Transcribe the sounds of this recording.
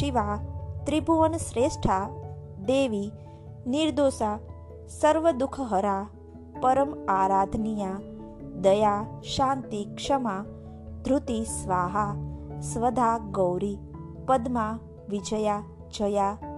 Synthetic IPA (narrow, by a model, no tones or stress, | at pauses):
ʃiʋat̪ɾibʱuʋənsɾesʈʰad̪eʋi | niɾd̪oːsa | səɾʋəd̪ukʰəɦəɾa | pəɾəmaːɾaːd̪ʱnija | d̪əjaʃãːnt̪ikʂəma | d̪ʱɾut̪isʋaːɦasʋəd̪ʱaɡəwɾi | pəd̪ma | ʋid͡ʒəja | d͡ʒəja